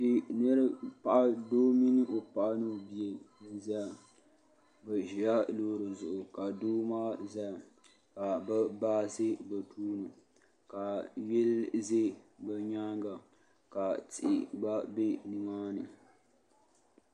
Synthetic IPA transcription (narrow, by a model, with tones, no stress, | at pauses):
dɪ˨nɨ˦ɾɨ˦pa˨ʔa˦doː˦mi˦nɨ˦ʔo˨pa˨ʔa˦nɨ˦˨bi˨e˨ | za˦˨ | bɛ˨ʒi˨a˦loː˦ɾɨ˨zʊ˨ʔʊ˨ka˨duː˦maː˦za˦˨ | ka˨ba˦baː˦sɨ˦ba˨tʰuː˦nɨ˨ | ka˨jɛ˦lze˦bɛ˦ɲaː˦ŋɡa˨ | ka˨tɪ˨ʔɪ˨ɡ͡ba˦be˦ni˦maː˦nɨ˨